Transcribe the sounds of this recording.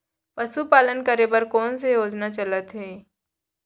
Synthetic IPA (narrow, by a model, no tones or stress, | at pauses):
pɐsupaːlənkəɾebəɾkɔːns̬ejoːd͡ʒnat͡ʃɐlət̪ɦɛː